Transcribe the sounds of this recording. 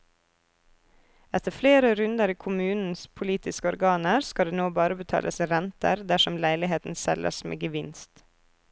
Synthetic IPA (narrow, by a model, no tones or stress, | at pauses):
ɛt̪ʰəfleːɾəɾʉnd̪əɾiːkʰʊmʉːnn̩spʰʊliːt̪ɪskəɔɾɡɑːnəɾskɑd̪eːnoːbɑːɾəbət̪ʰɑ̰ːləsiːɾɛnt̪ə̰ɾd̪æʃɔmlæɪlɪɦeːt̪n̩sɛ̰lʔə̰smḛːɡəʋɪnst̪